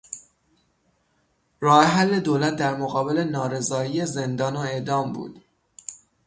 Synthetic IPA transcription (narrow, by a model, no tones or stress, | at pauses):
ɾɒːheɦælːe̞d̪oːlæt̪̚d̪æɾmoɣɒːbe̞le̞nɒːɾe̞zɒːijeze̞nd̪ɒːnoe̞ʔd̪ɒːmbṵːd̪̥